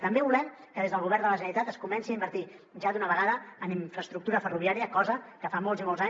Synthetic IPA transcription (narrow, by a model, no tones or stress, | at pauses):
t̪əmbeβulɛm | kəðezðəlˠɣuβ̞ɛɾnd̪ələʒənənit̪at̪əskumɛnsiaimbəɾt̪i | ʒad̪unəβəɣaðəːniɱfɾəst̪ɾuk̚t̪uɾəfəruβiaɾiəkɔzəkəfamɔlˠzimɔlˠza